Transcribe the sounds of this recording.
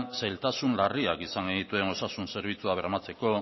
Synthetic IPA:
nsajlt̪asunlariakisaŋɡe̞nit̪ue̞no̞sasunse̞ɾβ̞it͡suaβeɾamat͡se̞ko̞

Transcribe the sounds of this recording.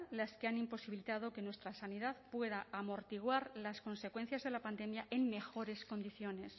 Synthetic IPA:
laskeanimpo̞siβilit̪aðo̞ke̞nwe̞st̪ɾasaniðaðpwe̞ðaʔːmo̞ɾt̪iɣ̞waɾlasko̞nse̞kwe̞n̟θjazðe̞lapand̪e̞mjaʔe̞ŋme̞xo̞ɾe̞sko̞nd̪iθjo̞ne̞s

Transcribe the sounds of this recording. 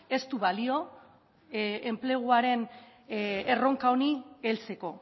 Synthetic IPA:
e̞st̪uβalio̞ | emple̞ɣ̞uaɾe̞n | ero̞ŋkaonielt͡se̞ko̞

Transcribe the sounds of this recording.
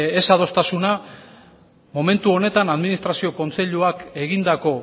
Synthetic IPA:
esað̞o̞st̪asuna | mo̞me̞nt̪uo̞ne̞t̪anaðminist̪ɾasio̞ko̞nt͡se̞ʎuake̞ɣind̪ako̞

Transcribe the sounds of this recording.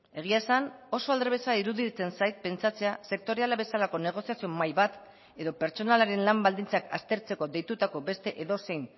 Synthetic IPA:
e̞ɣ̞iasano̞so̞ald̪ɾeβe̞saiɾuðit͡se̞nsajt̪̚pe̞nt͡sat͡se̞ase̞k̚t̪o̞ɾe̞alaβe̞salako̞ne̞ɣ̞o̞siasio̞majβat̪ | e̞ðo̞pe̞ɾt͡ʃo̞nalaɾe̞nlambald̪int͡saka̰st̪e̞ɾt͡se̞ko̞ðe̞jt̪ut̪ako̞βe̞st̪e̞ʔeðo̞se̞jn

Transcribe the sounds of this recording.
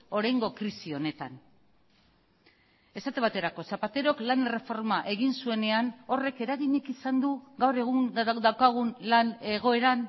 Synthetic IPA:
o̞ɾajŋɡo̞kɾisio̞ne̞t̪a̰n | e̞sat̪eβat̪e̞ɾako̞sapat̪e̞ɾo̞klane̞re̞fo̞ɾmaʔe̞ɣinsue̞ne̞ano̞re̞ke̞ɾaɣiɲekisand̪uɣawɾe̞ɣ̞uŋd̪awkaɣ̞unlane̞ɣ̞o̞e̞ɾan

